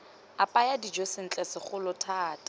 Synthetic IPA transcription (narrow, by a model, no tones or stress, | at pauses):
apʼajadid͡ʒosɪn̩t͡ɬʼɛsɪχʊlʊtʰaːtʼa